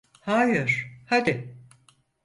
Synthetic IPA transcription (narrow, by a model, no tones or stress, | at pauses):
haːjɯɾ̥had̪ɪ